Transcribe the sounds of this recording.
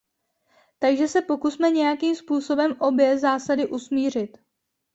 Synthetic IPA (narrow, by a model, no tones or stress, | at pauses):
t̪aɡʒɛsɛpo̞kusmɛɲɛjakiːmspuːso̞bɛmʔo̞bjɛzaːsadɪʔusmiːr̝ɪt̪